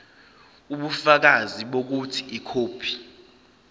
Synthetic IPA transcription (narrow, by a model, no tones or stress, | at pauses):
uɓufak̬aziɓok̬utʰiikʰoːpʰi̥